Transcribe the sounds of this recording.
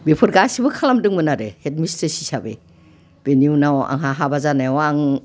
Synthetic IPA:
bepʰɯɾɡasibɯkʰalamdɯŋmɯnaɾehet̚mistesi̥sabḛ | b̥eniunawa̰ŋɦaɦabazanajwaŋ

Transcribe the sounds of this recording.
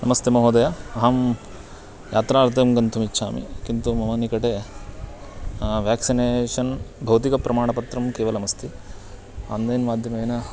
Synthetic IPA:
nɐmɐst̪emɐɦoːd̪ɐjɐɐɦɐm | jʔaːt̪ɾaːɾt̪ɐmɡɐnt̪ʰumit͡ʃːʃʰa̰ːmḭkint̪umɐmɐnikɐʈe | ʋjaːksineːʂɐnbʱɐwt̪̬ikɐpɾɐmaːɳɐpɐt̪ɾɐmkeːʋɐlɐmɐst̪ʰi | a̰nd̪eːnmaːd̪ʱjɐmeːnɐ

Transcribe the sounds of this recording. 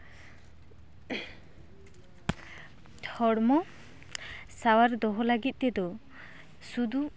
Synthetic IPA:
tʰɔɽmɔ | sawaɾd̪ɔɦɔlaɡit̪̚ˀt̪ɛd̪ɔ | sud̪u

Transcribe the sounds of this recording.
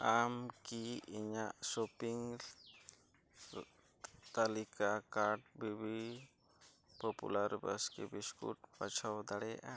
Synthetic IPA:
amkiiɲaʔsopiŋ | t̪alikakaɾɖbibi | pɔpṵlaɾbə̰skebiskṵʈ̚pat͡ʃʰawd̪aɽɛjaʔa

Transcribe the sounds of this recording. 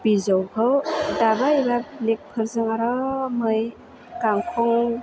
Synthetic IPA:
pizɔwhɯwdabaibablek̚pʰɯɾzɯŋaɾɔmɯj | kaŋkʰɔŋ

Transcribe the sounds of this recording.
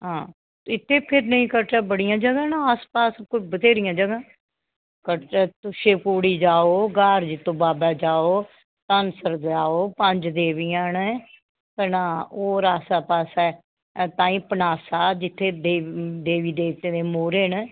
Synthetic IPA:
ɦãː | ɪt̪ʰːeːpʰɪɾnəĩːkəɾʈɛːbəɽijãːd͡ʒəɡãːnãːaːspaːskʊt͡ʃʰbət̪eːɾɪjãːd͡ʒəɡãː | kəɛːt̪ʊʃeːpoːɽiːd͡ʒaːoːɡaːɾd͡ʒɪt̪ːõːbaːbaːd͡ʒaːoː | t̪ənsəɾd̪aːoːpəɲd͡ʒd̪eːʋijãːnɛ | kənãːoːɾaːsaːpaːsɛː | t̪ãːĩːpənaːsaːd͡ʒɪt̪ʰːeːd̪eːd̪eːʋiːd̪eːt̪ẽːd̪eːmoːɾeːn

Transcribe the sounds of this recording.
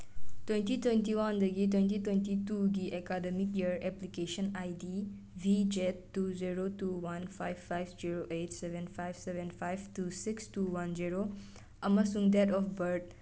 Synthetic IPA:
t̪wẽnt̪it̪wẽnt̪iwɐnd̪əɡit̪wẽnt̪it̪wẽnt̪it̪uɡiʔekademikjiəɾɛplikeːʃənaːjdi | ʋid͡ʒet̪ːuziɾot̪uːwɐnfajffajʋziɾoʔetseʋenfajbseʋenfʰajbt̪uːsikstuwɐnd͡ʒiɾo | ɐməsũŋɡd̪ɛt̪ɔfbəɾɖ̚

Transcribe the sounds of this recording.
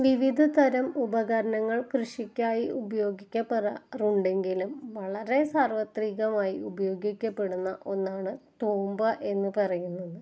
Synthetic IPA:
ʋiʋid̪ʱɐt̪ɐɾɐmubɐɣɐɾɐnɐŋːɐɭkrɨʂikʲːaːjiubɐjo̞ːɡikʲːɐpːerɐruɳɖe̞ŋɡilumʋɐɭɐɾe̞saːrʋɐt̪riːɣɐmaːjiubɐjo̞ːɡikʲːɐpːe̞ɽunːɐʔo̞nːaːɳɨt̪oːmbɐʔe̞nːɨpɐrɐjunːɐðɨ

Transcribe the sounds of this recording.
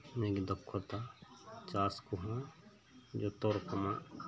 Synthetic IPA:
mẽːɡid̪əkʰːot̪at͡ʃaːskuɦã | d͡ʒoːt̪oɾkəmã

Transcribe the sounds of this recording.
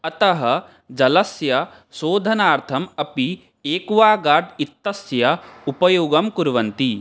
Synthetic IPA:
ɐt̪ɐɦɐ | d͡ʒɐlɐsjɐ | soːd̪ʱɐnaːɾt̪ʰɐmɐpi | eːkuʋaːɡaːɾɖ̪it̪ːɐsjɐupɐjoːɡɐmkuɾʋɐnt̪i

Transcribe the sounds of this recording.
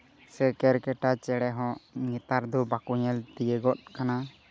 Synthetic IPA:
sɛkɛɾkɛʈat͡ʃɛɽɛɦɔ̃ʔŋit̪aɾd̪ɔbakuɲɛlt̪ijəɡɔt̪̚kana

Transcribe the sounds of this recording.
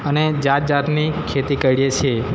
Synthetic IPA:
əned͡ʒat̪̚d͡ʒat̪nikʰet̪ikəɽijet͡ʃʰe

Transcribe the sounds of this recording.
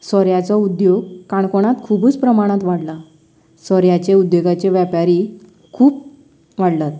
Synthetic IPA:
sɔɾjat͡sɔud̪joɡkãɳkoɽ̃at̪kʰubuːt͡spɾəmaɽ̃ãt̪ʋaɽla | sɔɾjat͡ɕeud̪joɡat͡ɕeʋjapaɾi | kʰuːp | ʋaɽlat̪

